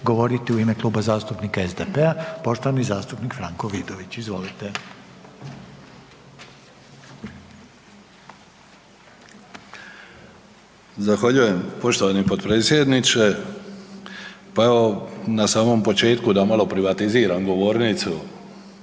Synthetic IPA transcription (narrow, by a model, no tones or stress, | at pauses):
ɡo̞ʋo̞ɾit̪iuime̞klˠuːbazaːst̪upnikaezd̪e̞pe̞apo̞ʃt̪oʋanizaːst̪upnikfɾaŋko̞ʋid̪o̞ʋit͡ɕizʋo̞lit̪e̞ | zaxʋaʎuje̞mpo̞ʃt̪oʋanipod̪pɾeːt̪sjed̪nit͡ʃe | paeʋo̞nasaːmo̞mpo̞t͡ʃe̞ːt̪kud̪amalo̞pɾiʋat̪iziːɾamɡo̞ʋo̞ːɾnit̪su